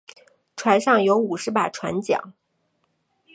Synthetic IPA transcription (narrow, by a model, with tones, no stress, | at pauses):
ʈ͡ʂʰwa˧˥nʂɑ˥˩ŋjo˧˥ʊu˨˩ʂɻ̩˧˥pa˨˩ʈ͡ʂʰwa̰˧˥nt͡ɕjɑ̰˨˩˦ŋ